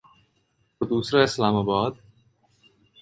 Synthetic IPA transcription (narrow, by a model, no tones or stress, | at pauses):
od̪uːsɾaɪslaːmaːbaːd̪̚